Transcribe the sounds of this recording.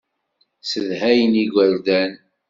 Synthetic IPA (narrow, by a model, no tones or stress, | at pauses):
səðhæjəniɡʷəɾd̪æn